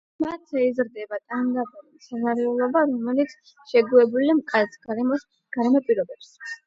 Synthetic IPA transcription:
mat̪ʰɛizɾd̪ɛbat̪ʼand̪apʼuɾisanaɾɛulˠɔbaɾɔmɛlit̪sʰ | ʃɛɡuɛbulimkʼat̪sʰɡaɔs | ɡ̥aɾɛmɔpʼiɾɔbɛps

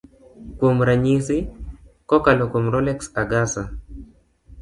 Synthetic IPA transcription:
kwomɾaɲisikɔkalɔkomɾɔlɛksaɡasa

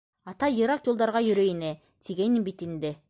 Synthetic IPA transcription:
ɑt̪ɑiɾɑqjo̞lˠd̪ɑɾʁɑjʏɾejene | t̪ʰiɡʲenimbit̪ɪnd̪e

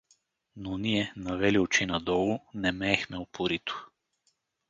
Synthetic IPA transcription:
noniɛnɐvɛliot͡ʃinɐd̪ɔlˠʊnɛmɛːxmɛopʊɾit̪ʊ̥

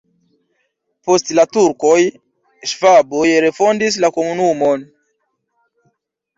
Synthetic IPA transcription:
po̞stlatuɾkoj | ʃvabojɾe̞fondis̬lako̞munumon

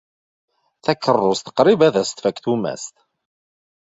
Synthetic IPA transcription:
θækːərˤːʊst̪ə̥qɾibæðæst̪fækθumæ̰st̪

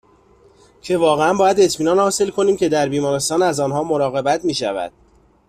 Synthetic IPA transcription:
cʰe̞vɒːɣe̞ænbɒːjæd̪e̞t̪ʰmiːnɒːnhɒːse̞lkʰo̞niːmcʰe̞d̪æɾbiːmɒːɾe̞st̪ɒːnæzɒːnɦɒːmo̞ɾɒːɣe̞bæt̪ʰmiːʃæ̰væ̰d̪̥̚

